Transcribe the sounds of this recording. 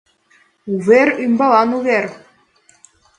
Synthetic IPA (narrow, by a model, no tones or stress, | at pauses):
uβeɾymbɑlɑnuβer